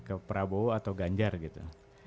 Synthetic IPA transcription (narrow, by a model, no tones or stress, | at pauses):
kəpəɾaboat̪awɡaɲd͡ʒarɡit̪ṵ